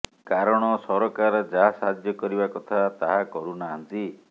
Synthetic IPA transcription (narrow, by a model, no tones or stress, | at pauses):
kaɾɔɽ̃ɔsɔɾɔkaɾɔd͡ʒaɦasad̪ʱjɔkɔɾibakɔt̪ʰat̪aɦakɔɾunaɦant̪i